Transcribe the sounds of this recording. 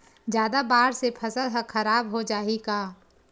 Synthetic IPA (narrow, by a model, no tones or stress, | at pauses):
d͡ʒjaːd̪abaːɾsepʰɐsəlɦəxɐɾaːbɦod͡ʒaːikaː